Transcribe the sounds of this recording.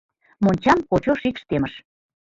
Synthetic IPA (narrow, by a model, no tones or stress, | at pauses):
monʲt͡ɕɑmkot͡ɕoʃikʃt̪eməʃ